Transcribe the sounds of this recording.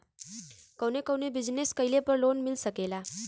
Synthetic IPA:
kəwnekəwnebid͡zneskəjlepəɾlonmilsəkela

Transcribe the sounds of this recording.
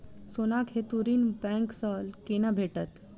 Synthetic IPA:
sonakhet̪uɾinbɛ̃ŋksɔlkenabʱeʈət̪

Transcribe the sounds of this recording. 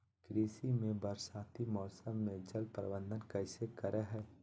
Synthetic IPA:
kɾeːsimẽbəɾsaːt̪imɔːsəmːẽd͡ʒəlpɾə̰bə̃nd̪ənkɛɪsekɐɾʔeɦɛː

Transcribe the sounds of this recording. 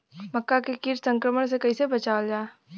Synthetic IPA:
məkːakekiɾsə̃ŋkɾəməɳsekɐisebət͡ʃaːld͡ʒaːe

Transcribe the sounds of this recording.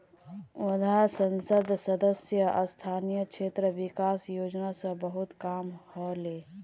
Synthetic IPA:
wəd̪ʱasənsəd̪ʱsəd̪əsjəʔə̰st̪ʰanijəkt͡ʃʰet̪ɾəbikasjod͡ʒnasə̃bəɦut̪kaːmhɔle

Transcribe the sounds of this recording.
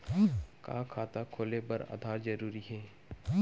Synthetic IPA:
ka̰ːkʰaːt̪akʰoːlebɐɾa̰ːd̪ʱaːɾzɐɾuːɾiɦɛː

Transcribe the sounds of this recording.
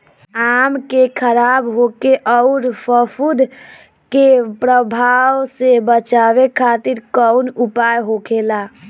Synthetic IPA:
amkekʰəɾabɦokeʔɔʊɾpʰəpʰud̪ʱ | kepɾəbʱawsebət͡ʃabekʰat̪iɾkɔʊnupajɦokʰela

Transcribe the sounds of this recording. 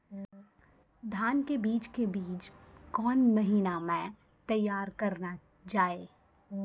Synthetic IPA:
d̪ʱaːnkebiːt͡ʃkebiːt͡ʃkɔːnmɐɦiːnamɛ̃ | t̪ɐjːaːɾkɐɾna | d͡ʒaːeː

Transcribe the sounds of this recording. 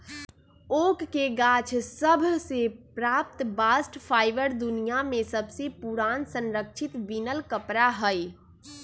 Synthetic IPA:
okːeɡat͡ʃʰsəbʱsepɾap̚t̪basʈpʰaɪbəɾd̪unijamesəbʱsepuɾaːnsə̃nɾəkʃʰit̪ʋinəlkəpɾaɦəj

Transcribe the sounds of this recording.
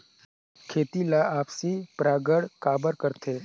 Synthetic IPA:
kʰeːt̪ilaaːpsipɾaːɡəɽkaːbəɾkəɾt̪ʰeː

